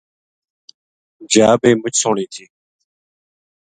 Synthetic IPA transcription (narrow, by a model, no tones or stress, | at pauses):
d͡ʒaːbeːmʊt͡ʃʰsoːɳĩːt̪ʰiː